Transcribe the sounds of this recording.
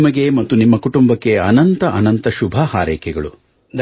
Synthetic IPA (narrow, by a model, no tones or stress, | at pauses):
mɐɡe̞mɐt̪ːunimːɐkuʈumbɐkːe̞ɐnɐnt̪ɐʔɐnɐnt̪ɐʃubʱɐhaːɾɛːkɛɡɐɭu | d̪